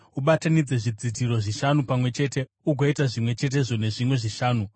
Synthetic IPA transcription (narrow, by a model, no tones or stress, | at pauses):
uɓatanid͡ze̞ʐid͡zidiɾo̞ʐiʃanupamwe̞t͡ʃe̞ːte̞ | uɡʱoitaʐimwe̞t͡ʃe̞t̬e̞ʐo̞ne̞ʐimwe̞ʐiʃaːnu